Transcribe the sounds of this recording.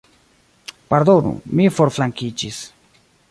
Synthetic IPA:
paɾd̪onṵmifoɾflaŋkid͡ʒis

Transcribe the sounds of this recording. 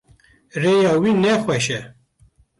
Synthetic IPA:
rejɑːwiːnɛxʷwɛʃɛ

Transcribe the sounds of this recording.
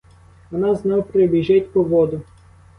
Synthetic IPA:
ʋɔnɑznɔwpɾebʲiʒɪtʲpɔʋɔd̪ʊ

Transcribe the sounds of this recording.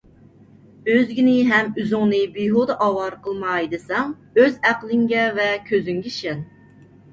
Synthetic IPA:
øzɡʲinɪɦɛmyzɨŋnɨbiɦod̪ɑʔɑwɑɾqʰəlˠmɑjd̪ɨsɑŋ | øzæqlˠɪŋɡʲɛvɛkʲʰøzyŋɡʲɛʃɛn

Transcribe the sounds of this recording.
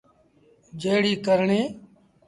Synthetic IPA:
d͡ʒeːɽiːkəɾɳẽː

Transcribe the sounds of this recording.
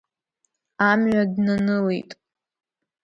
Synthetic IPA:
amɥadnanɨlḛjtʼ

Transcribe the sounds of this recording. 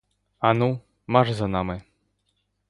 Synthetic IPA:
anu | maʐzɐnamɨ

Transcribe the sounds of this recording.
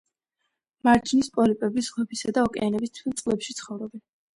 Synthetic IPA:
maɾd͡ʒnispʼɔlipʼɛbisʁwɛpʰisad̪aɔkʼɛ̰anɛbist̪ʰwilˠt̪sʼlɛpʃit̪sʰχɔvɾɔbɛn

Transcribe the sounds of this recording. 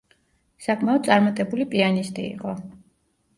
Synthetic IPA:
sakʼʰmɛɔd̪̚sʼaɾmat̪ʼɛbulipʼianist̪ʼḭːqʼɔ

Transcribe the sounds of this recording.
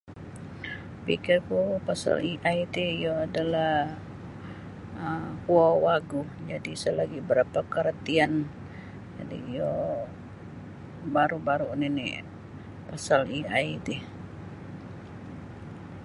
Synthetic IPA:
pḭkɪrkupasa̰liʔait̪iijoadalah | əhuawaɡud͡ʒadisəlaɡibəɾapakəɾat̪ian | d͡ʒa̰dḭːjo | baɾubaɾuninḭ | pasaliaid̪i

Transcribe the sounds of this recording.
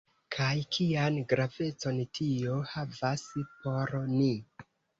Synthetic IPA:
kʰajkʰianɡɾave̞t͡so̞ntʰio̞havaspo̞ɾni

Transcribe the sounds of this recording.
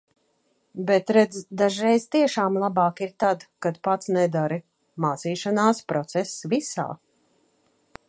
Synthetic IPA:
bɛt̪ɾɛd̪zd̪aʒɾɛjzt̪iɛʃaːmlˠabɑːkiɾt̪ad̪kad̪pat̪snɛd̪aɾi | maːt̪siːʃanaːspɾɔt̪sɛsːvisa̰ː

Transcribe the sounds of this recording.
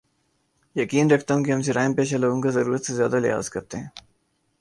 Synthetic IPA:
jɐkiːnɾɐkʰt̪aɦũːkiɦɐmseɾaːɪmpeːʃalɐɡõŋɡazɐɾuːɾət̪sezjaːd̪alɪ̰ɦa̰ːzkɐɾt̪eɦɛ̃ː

